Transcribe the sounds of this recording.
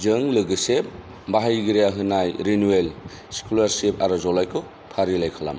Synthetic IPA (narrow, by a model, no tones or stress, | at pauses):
d͡ʒɯŋlɯɡɯsep̚ | baɦajɡɯɾijaɦɯnajɾinuel | si̥kʰulaɾsepaɾɯzɔlajkʰɯ | pʰaɾilajkʰala̰m